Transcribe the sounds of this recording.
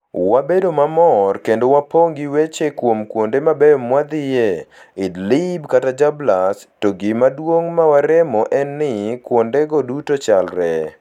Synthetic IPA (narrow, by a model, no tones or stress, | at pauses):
wabedomamɔrkendowapoŋɡiwet͡ʃekwomkwondemabejmwad̪ɪje | ɪdlɪbkatad͡ʒablastoɡimadwoŋmawaɾɛmɔʔɛnːɪkwondeɡodutot͡ʃalɾɛ